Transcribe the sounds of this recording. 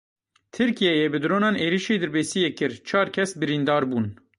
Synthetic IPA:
t̪ʰɨɾkijɛjɛbɨd̪ɾoːnɑːneːɾiʃeːd̪ɨɾbeːsijekɨɾt͡ʃʰɑːɾkʰɛsbɨɾiːnd̪ɑːɾbuːn

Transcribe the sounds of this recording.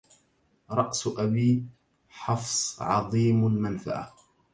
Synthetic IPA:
ɾˤɑʔsʔabiː | ħɑfsˤʕɑ̰ðˤiːmalmanfa̰ʔa̰

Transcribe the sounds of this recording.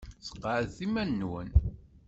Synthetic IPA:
sə̥qːəʕðθimænːwə̰n

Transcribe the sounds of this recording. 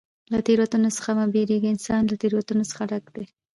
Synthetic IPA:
lat̪eɾwat̪unosə̥xamabeɾeɡiɪnsɑnlat̪eɾwat̪unosə̥xaɖakd̪e

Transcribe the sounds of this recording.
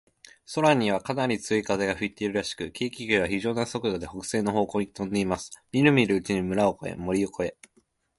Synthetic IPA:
so̞ɾaɲ̟iβ̞akanaɾʲit͡sɨoikaze̞ɡaɸɯ̟it̪ːe̞iɾɯ̟ɾaɕi̥kɯ̟kʲeːkʲiɡʲɯeβaçiʑo̞ːnaso̞kɯ̟d̪od̪e̞ho̞kɯ̟̥se̞ːnːo̞ɦo̞ːko̞ĩt̪õ̞nd̪e̞imasɨ̥mʲiɾɯ̟mʲiɾɯ̟ːt͡ɕiɲ̟imɯ̟ɾaoko̞e̞̰mo̞ɾʲioko̞e̞

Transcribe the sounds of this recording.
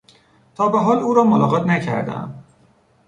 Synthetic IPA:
t̪ʰɒːbeɦɒːluːɾɒːmolɒːɣɒːt̪ʰnæcʰæ̰ɾd̪æ̰m

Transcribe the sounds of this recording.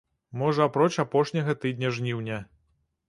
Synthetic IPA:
mɔʐɐapɾɔt͡ʃapɔʂnʲɐɣɐt̪ɨd̪ʲnʲɐʐnʲiwnʲɐ

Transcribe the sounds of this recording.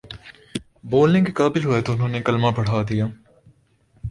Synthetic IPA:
boːlnẽkekaːbɪlɦoet̪oʊnɦõːnekɐlmãpɐɽ̤aːd̪ijaː

